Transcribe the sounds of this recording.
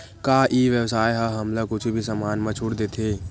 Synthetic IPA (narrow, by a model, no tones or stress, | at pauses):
kaːʔiːʋjəwsaːjɦɐɦɐmləkʊt͡ʃʰbʱisəmaːnmɐt͡ʃʰuɽd̪eːt̪ʰeː